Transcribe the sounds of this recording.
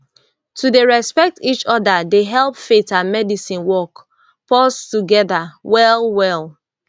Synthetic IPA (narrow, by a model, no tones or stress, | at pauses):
tudeɹɛspɛk̚tit͡ʃɔdadeɦɛlˠpfetãnmɛdisĩnwɔk | pɔstuɡɛðawɛlˠwɛlˠ